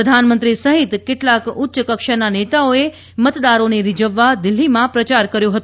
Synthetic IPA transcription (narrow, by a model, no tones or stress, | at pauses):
əd̪ʱanmənt̪ɾisəɦit̪keʈlakʊt̪ːʃəkəkʃananet̪aoe | mət̪d̪aɾoneɾid͡ʒəʋːad̪ɪlːimãpɾət͡ʃaɾkəɾjoɦət̪u